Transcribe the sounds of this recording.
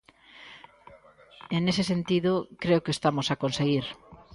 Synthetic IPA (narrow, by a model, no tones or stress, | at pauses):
enesesent̪iðʊkɾeokest̪amosakonseɣiɾ